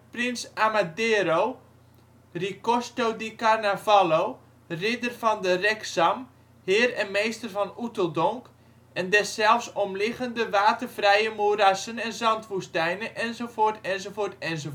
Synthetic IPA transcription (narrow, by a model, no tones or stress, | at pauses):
prɪnsamadeːɾow | rikostowdikarnavalow | rɪdərfɔndərɛksam | hɪːrɛnmejstərvɔnutəlˠdɔŋk | ɛndɛsːɛlˠfsɔmlɪχəndəʋaːtərfrɛjəmurasənɛnzɑntʋustɛjnəʔɛnzofoːrtɛnzofoːrtɛnzo